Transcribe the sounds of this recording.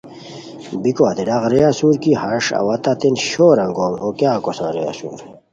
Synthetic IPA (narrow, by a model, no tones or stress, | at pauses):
bikoɐt̪iɖaʁɾejasuɾkihɐʂɐ̰wɐt̪at̪inɕoːɾɐŋɡoːmhokjaːkosã̰ɾeja̰sṵːɾ